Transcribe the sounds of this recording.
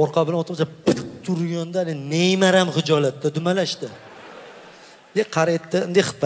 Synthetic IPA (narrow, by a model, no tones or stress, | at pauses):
ɒɾqʰɑbɪlanɒt̪ʰɾmsapɪt̪t̪ʰːʊɾjɒnd̪anɪnejmaɾamχɪd͡ʒɒlat̪ːad̪ʊmalaʃd̪ɪ | d̪eqʰɑɾet̪ʰːɪɪnd̪ejχɨ̥pːa